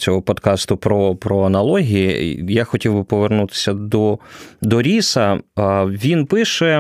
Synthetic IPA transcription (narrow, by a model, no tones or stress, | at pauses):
ɔɦɔpɔd̪kɑst̪ʊpɾɔpɾɔɐnɐlˠɔɦʲijijaxɔtʲiwbɪpɔʋernut̪ɪ̥sʲɐd̪ɔd̪ɔɾʲisɐ | ʋʲinpɪʃɛ